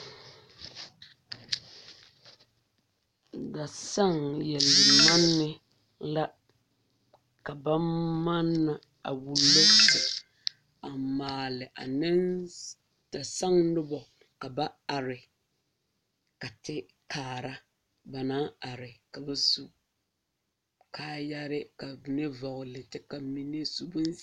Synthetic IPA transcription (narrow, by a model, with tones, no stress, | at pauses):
da˨sa˦˨ŋjɛ˨lɪ˨ma˦nːɪ˦ | la˦ | ka˨ba˦ma˦nːa˨ | a̰˨wu˨lːo˦stɪ˨ | a˨maː˨lɪ˨ʔa˨nɪ˦n | ta˨sa˦ŋnʊ˦bɔ˨ | ka˨ba˦a˨ɾɪ˨ | ka˨tɪ˦ | kʰaː˨ɾa˦ | ba˨naː˦a˨ɾɪ˨ka˨ba˦su˦ | kʰaː˦ja˦ɾɪ˦ka˨ne˦vɔ˨ɣʊ˨lɪ˨tɪ˦ka˨mi˨ne˦su˦bʊ˦n˦